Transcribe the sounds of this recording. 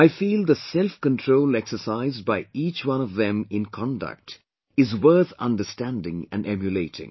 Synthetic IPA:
aɪfiːld̪əsɛlfkə̃ntʰɹoʊlɛksə˞saɪzd̚baɪiːt͡ʃwʌ̃nɔvðɛ̃mɪ̃nkʰɑ̃ndə̰k̚t | ɪzwɜ˞θʌ̰̃ndəstæ̃ndɪ̰̃ŋɨ̰̃nɖɛmjɨleɪtʰɪ̰̃ŋ

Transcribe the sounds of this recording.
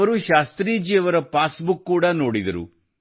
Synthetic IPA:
ɐɾuʃaːst̪ɾiːd͡ʒiɐʋɐɾɐpaːsbukːuːɽɐno̞ːɽid̪ɐɾṵ

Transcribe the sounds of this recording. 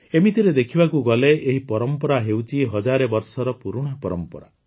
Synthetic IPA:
emit̪iɾed̪ekʰibakuɡɔleːɦipɔɾɔmpɔɾaɦewt͡ʃʰiɦɔd͡ʒaɾebɔɾsɔɾɔpuɾuɽ̃ɔpɔɾɔmpɔɾa̰

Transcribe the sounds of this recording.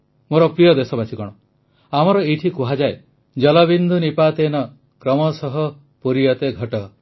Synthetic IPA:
moɾɔpɾijɔd̪esɔbasikɔɽ̃ɔ | amɔɾɔiʈʰikuɦad͡ʒae | d͡ʒɔlɔbind̪ʱunipat̪enɔ | kɾɔmɔsɔɦɔ | puɾijɔt̪eɡʱɔʈɔ

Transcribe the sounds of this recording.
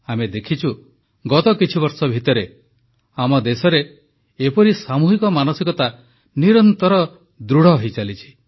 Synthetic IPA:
amed̪ekʰit͡ʃʰu | ɡɔt̪ɔkit͡ʃʰiβɔɾsɔbʱit̪ɔɾe | amɔd̪esɔɾeː | pɔɾisamuɦikɔmanɔsikɔt̪a | niɾɔnt̪ɔɾɔ | d̪ɾuɽ̤ɔɦojt͡ʃalit͡ʃʰi̥

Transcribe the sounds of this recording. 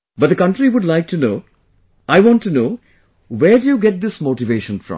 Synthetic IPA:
bʌt̚d̪ɨkʌ̃nʈɾiʋʊɖlaɪk̚ʈunoː | ʔaɪʋɔ̃ːnʈːunoː | ʋeːɾɖujuɡɛʈ̚d̪ɪsmoːʈɪʋeːʃə̃nfɾʌ̰̃m

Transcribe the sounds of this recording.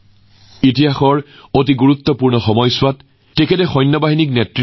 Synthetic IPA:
itiɦaxɔɹot̬iɡuɹut̪ːɔpuɹnɔxɔmɔjswat | tekʰetɛxɔjnːɔbaɦinik̚netɹi

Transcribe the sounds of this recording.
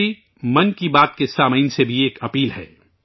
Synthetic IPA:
i | mɐnkibaːt̪kesaːməiːnsebʱieːkɐpiːlɦɛ̰ː

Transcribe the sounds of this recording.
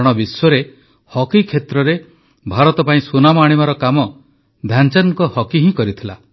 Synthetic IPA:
ɽ̃ɔbiswɔɾe | hɔkikʰːet̪ɾɔɾe | bʱaɾɔt̪ɔpaĩswunamɔaɽ̃ibaɾɔkamɔ | d̪ʱjant͡ʃanŋkɔhɔkiɦĩkɔɾit̪ʰila

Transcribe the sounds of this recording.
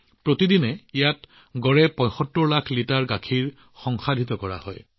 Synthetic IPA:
pɹotidinɛijat | ɡɔɹɛpɔ̃jxɔtːɔɹlakʰlitaɹɡakʰiɹ | xɔŋxadʱit̪̬ɔkɔɹa̰hɔ̰j

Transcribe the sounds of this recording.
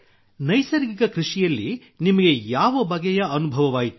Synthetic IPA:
nɐjsɐɾɡikɐkɾiʂijɐlːi | nimɐɡe̞jaːʋɐbɐɡɛjɐɐnubʱɐʋɐʋaːjit̪u

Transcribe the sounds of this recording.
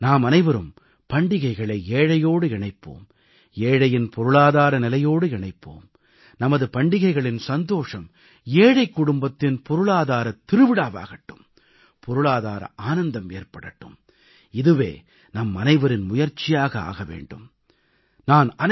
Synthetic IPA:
naːmɐnɐɪʋɐɾɯm | pɐɳɖɪɣɐɪɣɐɭɐɪeːɻɐjoːɽɯɪɳɐɪpːo̰ːm | eːɻɐjɪnpʰɔɾɯɭaːðaːɾɐnɪlɐjoːɽɯɪɳɐɪpːo̰ːm | nɐmɐðɯpɐɳɖɪɣɐɪɣɐɭɪnsɐnd̪oːʂɐm | eːɻɐɪkːʊɽʊmbɐt̪ːɪnpɔɾɯɭaːðaːɾɐt̪ːɪɾɯʋɪɽaːʋa̰ːɣɐʈːɯm | pʰɔɾɯɭaːðaːɾɐ̰ʔaːnɐnd̪ɐmeːrpɐɽɐʈːɯ̰m | ɪðɯʋḛː | nɐmɐnɐɪʋɐɾɪnmʊjɐɾt͡ʃːɪjaːɣɐa̰ːɣɐʋḛːɳɖɯm | naːnɐn

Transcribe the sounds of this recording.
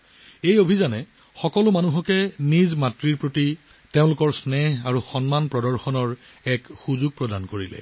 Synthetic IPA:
ejobʱizanɛ | xɔkɔlʊmanuɦɔkɛnizmatɹiɹpɹoti | teʊ̃lʊkɔɹsnɛɦaɹuxɔnmanpɹɔdɔɹxɔnɔɹɛkxuzuɡ̚pɹɔdankoɹilɛ̰

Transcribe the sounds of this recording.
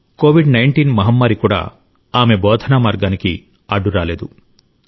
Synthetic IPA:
koːʋiɖnɐjɳʈiːnmɐɦɐmːaːɾikuːɽa̰ː | aːme̞bɔːd̪ʱɐnamaːɾɡaːniki | ɐɖːuɾaːle̞ːd̪u

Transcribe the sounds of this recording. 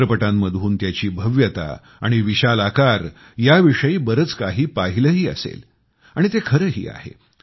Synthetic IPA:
ɾəpəʈãmːəd̪ʱuːnt̪jat͡ɕiːbʱəʋjət̪a̰ | a̰ɽ̃iʋiɕalakaɾ | jaʋiʂəiːbəɾət͡skaɦiːpaɦiləːɦiːə̰sḛl | aɽ̃it̪ekʰəɾəɦḭːa̰ɦḛ

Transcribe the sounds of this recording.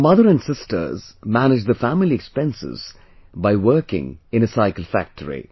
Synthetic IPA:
mʌðəɹɨ̃nsɪstʰə̰˞zmænɪd͡ʒðəfæmɪliɛkspɛ̃nsɪ̰z̥ | baɪwɜ˞kɪ̰̃ŋɨ̃nɨsaɪkəl̩ˠfæ̰k̚tʰəɹḭ

